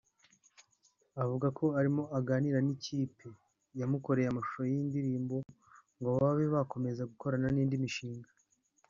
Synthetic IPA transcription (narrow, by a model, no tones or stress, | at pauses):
avuɡakʰo̞aɾimo̞ʔaɡaːniɾaniciːpe | jamuko̞ɾe̞jamaʃu̥ʃojiːndiɾiːmbo̞ | ŋɡoβaβe̞βako̞me̞zaɡuko̞ɾananiːndimiʃiːŋɡa